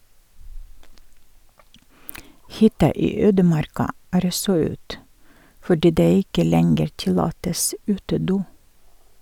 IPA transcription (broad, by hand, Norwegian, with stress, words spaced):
ˈhʏtɑ ˈiː ˈøːdəˌmɑɾkɑ ˈæːɾ ˈɔsɔ ˈʉːt fɔˈɖiː ˈdeː ˈɪkə ˈlɛŋɡəɾ ˈtɪlɑːtəs ˈʉːtəˌduː